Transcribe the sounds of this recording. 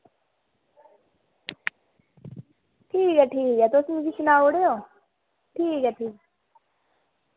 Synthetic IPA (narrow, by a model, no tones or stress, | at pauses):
ʈʰiːkɛːʈʰiːkɛːt̪ʊsmũd͡ʒit͡ʃɪnaːoɽeoː | ʈʰiːkɛːʈʰiːk̚